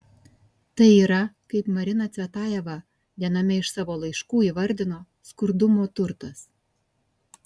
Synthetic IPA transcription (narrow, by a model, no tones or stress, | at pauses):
t̪ɐɪiɾɐkɐɪpmɐɾʲɪnɐt͡sʲɛt̪ɑjɛʋɑ | d̪ʲænɐmʲɛɪʃsɑʋolˠɐjʃkuːiʋɐɾʲd̪ʲɪno | skʊɾd̪umot̪ʊɾt̪ɐs